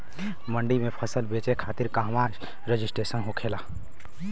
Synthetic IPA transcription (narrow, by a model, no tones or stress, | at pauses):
mə̃ɳɖimẽpʰəsəlbeːt͡ʃekʰaːt̪ɪɾkaːɦmaː | ɾəd͡ʒɪsʈɾeːsənɦokʰeːlaː